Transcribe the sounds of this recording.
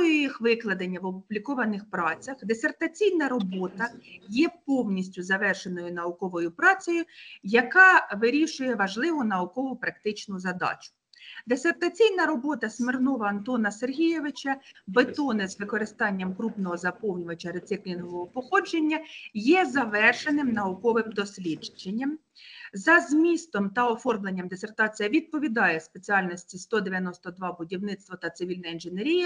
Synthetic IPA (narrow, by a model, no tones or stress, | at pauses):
ɔjjixʋɪklˠɐd̪ɐnʲːɐʋɔpʊblʲikɔʋɐnɪxpɾɑt͡sʲɐxd̪esʲe̞rt̪ɐt͡sʲijnɐɾɔbɔt̪ɐjɛpɔwnʲisʲtʲʊzɐʋɛrʃenɔjʊnɐʊkɔʋɔjʊpɾɑt͡sʲɔjʊjɐkɑʋɪɾʲiʃʊjɛʋɐʒlˠɪʋʊnɐʊkɔʋʊpɾɐkt̪ɪt͡ʃnʊzɐd̪ɑ̰t͡ʃʊ̥ | d̪esʲert̪ɐt͡sʲijnɐɾɔbɔt̪ɐsmɪrnɔʋɐɐnt̪ɔnɐserɦʲijeʋɪt͡ʃɐbet̪ɔnɪzʋɪkɔɾɪst̪ɑnʲːɐmkɾupnɔɦɔzɐpɔwnʲʊʋɐt͡ʃɐɾet̪sɪklʲinɔʋɔɦɔpɔxɔd͡ʒenʲːɐjɛzɐʋɛrʃenɪmnɐukɔʋɪmd̪ɔsʲlʲid͡ʒd͡ʒenʲːɐm | zɐzmʲist̪ɔmt̪ɐɔfɔrmlˠenʲːɐmd̪esert̪ɑt͡sʲijɐʋʲid̪̚pɔʋʲid̪ɑjɛspet͡sʲiɑlʲnɔsʲtʲist̪ɔd̪eʋʲjɐnɔst̪ɔd̪ʋɑbʊdʲiwnɪt̪st̪ʋɔt̪ɐt̪sɪʋʲilʲnɐinʒeneɾʲijɐ